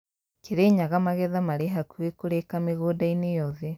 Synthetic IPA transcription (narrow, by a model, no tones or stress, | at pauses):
keɾeːɲaɣamaɣɛðamaɾeɦakuekoɾekameɣoːdainejɔðɛ